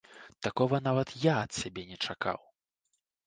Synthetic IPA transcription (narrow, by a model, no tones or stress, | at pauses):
t̪akɔvɐnavɐt̪jaɐt̪sʲabʲɛnʲɛt͡ʂaka̰w